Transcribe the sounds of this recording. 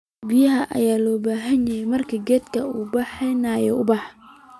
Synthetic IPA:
bɪjɐɦɐʔɐ̰jaːlɔːbaːɦɐnjɛjɛjmɐrkʰɐɡɛːd̪kʰɐuːbɑħɛnɐjɔʊbɑħ

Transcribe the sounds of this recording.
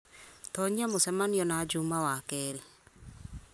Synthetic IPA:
t̪ɔɲamʊsɛmanjɔnad͡ʒumawakɛl

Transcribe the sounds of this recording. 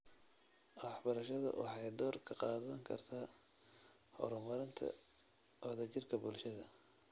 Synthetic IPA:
ʔwɑħbɐɾɐʃɐðɐ̰wɑ̰ħɑjd̪ɔːrkʰɐqɑːðɐŋkʰɐ̰rt̪ʰaː | hɔ̰ɾɔmɐɾɪnt̪ʰɐ̰ | ʔɔðɐt͡ʃɪrkʰɐbʊlʃɐðɐ

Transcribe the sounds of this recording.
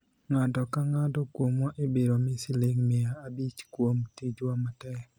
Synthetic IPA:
ŋatɔkaŋadɔkwomɔʔebeɾomɪsɪleŋmɪaːbit͡ʃkwomtid͡ʒwamatɛk

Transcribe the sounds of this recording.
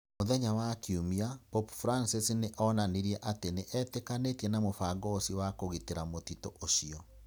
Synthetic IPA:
moðɛɲawakiumiapɔpfuɾansisineʔɔnaniɾiɛʔateneʔɛtekanetiɛnamofaɡɔsiwakoɣiteɾamotitoʔoɕiɔ

